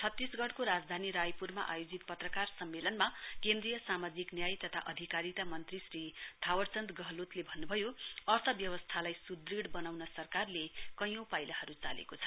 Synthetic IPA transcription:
t͡sʰʌt̪ːisɡʌɽkoɾad͡zd̪ʱaniɾajpurma̰ʔa̰jod͡zit̪pʌt̪rʌkarsʌmːelʌnmakẽnd̪rijʌsamad͡ziknjajt̪ʌt̪ʰa̰ʔʌd̪ʱikaɾit̪amʌnt̪risrid̪̥ʰʱawʌrt͡sʌnd̪ɡʌɦlut̪lebʱʌnːubʱʌjoʌrt̪ʰʌbjʌwʌst̪ʰalajsud̪riɽbʌnawnʌsʌrkarlekʌjõwpajlahʌɾut͡salḛkot͡sʰʌ̥

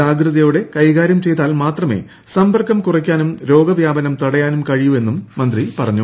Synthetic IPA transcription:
aːɡrɨðɐjuɽe̞kɐjɣaːɾjɐmt͡ɕe̞jt̪ːaːlmaːt̪rɐme̞̰ː | sɐmbʱɐrkːɐmkurɐk̬ʲːaːnumɾo̞ːɡɐʋjaːbɐnɐmt̪uɽɐjaːnumkɐɻijue̞nːumːɐnd̪ripɐrɐɲːu

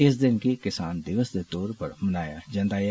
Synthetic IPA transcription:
ɪsd̪ɪnkekɪsaːnd̪ɪʋəsd̪et̪ɔːɾpɐɾmɐnaːjad͡ʒɐ̃nd̪aːj

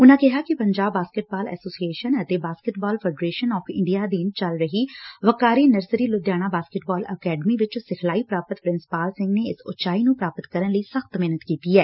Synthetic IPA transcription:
ʊnãːkɪɦaːkɪpəɲd͡ʒaːbːaːskɪʈ̚baːlɛ̰ːsoːsieːʃənət̪eːbaːskɪʈbaːlpʰɛːɖɾeːʃənɔːpʰɪ̃ɳɖijaːd̪iːnt͡ʃəlɾəɦiːʋəkaːɾiːnəɾsɾiːlʊd̪jaːɽ̃aːbaːskɪʈbaːləkɛːɖəmiːʋɪt͡ʃsɪkʰlaːiːpɾaːpət̪pɾɪ̃nsɪ̥paːlsɪ̃ŋɡneːɪsʊ̰t͡ʃaːiːnũːpɾaːpət̪kəɾənləiːsəxt̪meɦnət̪kiːt̪iːɛː

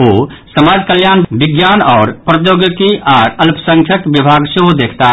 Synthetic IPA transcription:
osəmad͡ʒkəljanbiɡjanɔːɾpɾəjoɡjəkiʔaːɾəlpsəŋkʰjəkbibʱaɡseɦod̪ekʰt̪a

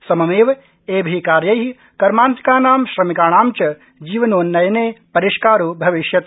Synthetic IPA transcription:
sɐmɐmeːʋ | eːbʱikaːɾjɐɦi | kɐɾmaːnt̪i̥kaːnaːmʃɾɐmikaːɳ̃aːmt͡ʃɐ | d͡ʒiːʋɐnoːnːɐjɐneːpɐɾiʃkaːɾuːbʱɐʋiʃjɐt̪

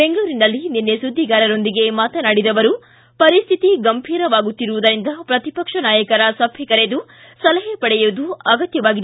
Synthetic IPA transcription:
be̞ŋɡɐɭuːɾinɐlːininːesud̪ʱːiɡaːɾɐɾo̞nd̪iɡe̞maːt̪ɐnaɽid̪ɐʋɐɾu | pɐɾist̪ʰit̪iɡɐmbʱiːɾɐʋaːɡut̪ːiɾuʋud̪ɐɾind̪ɐpɾɐt̪ipɐkʂɐnaːjɐkɐɾɐsɐbʱjɛkɐɾed̪u | sɐlɐɦepɐɽɛjuːd̪uɐɡɐt̪jɐʋaːɡid̪

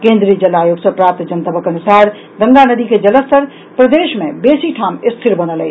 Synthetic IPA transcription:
kẽnd̪ɾiəd͡ʒəlajoɡsəpɾap̚t̪d͡ʒənt̪əbəkənusaɾ | d̪əŋɡanəd̪iked͡ʒələst̪əɾ | pɾəd̪eʃmẽbesiʈʰamɪst̪ʰiɾbənəlɛ

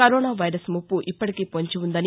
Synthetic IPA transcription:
kɐɾɔːnaːʋɐjɾɐsmupːuʔipːɐʈikeːpoɲt͡ʃiund̪ɐni

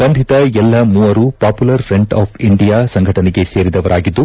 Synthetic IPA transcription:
sɐnd̪ʱit̪ɐɛlːɐmuːɐɾuːpaːpulɐɾfʰɾe̞ɳʈaːpʰiɳɖijaːsɐŋɡʱɐʈɐnɛɡe̞se̞ːɾid̪ɐʋɐɾʔaːɡid̪ːu

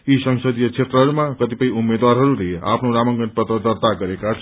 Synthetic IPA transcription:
isʌŋsʌd̪ijʌkt͡sʰet̪rʌɦʌɾumakʌt̪ipʌj̃umːed̪waɾɦʌɾulea̰pʰnoɾamʌŋɡʌnpʌt̪rʌd̪ʌrt̪aɡʌɾekat͡sʰ

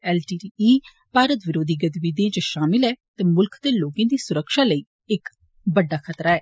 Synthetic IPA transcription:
ɛːlʈiːʈiːiː | paːɾət̪ʋɪɾoːd̪iːɡət̪bid̪ẽːt͡ʃəʃaːmɪlɦɛːt̪ɛːmʊlkʰt̪eːloːkãːd̪iːsʊɾəkʃaːləiː | ɪk | bəɖːaːkʰət̪ɾaːɛː

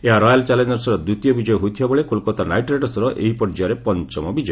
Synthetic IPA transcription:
eɦaɾɔjalt͡ʃalend͡ʒɔɾsɔɾɔd̪ut̪ijɔbid͡ʒɔjɔɦut̪ʰijɔbɔɭekulkɔt̪anajʈɾeʈɔsɔɾɔʔʔeɦipɔɾd͡ʒaɾepɔnt͡ʃɔmɔbid͡ʒɔj

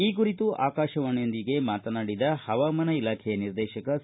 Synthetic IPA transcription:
iːk̬uɾit̪uʔa̰ːkaːʃɐʋɐɳond̪iɡe̞maːt̪ɐnaːɽid̪ɐhɐʋaːmɐnɐilaːkʰɛjɐniɾd̪ɛːʃɐkɐ

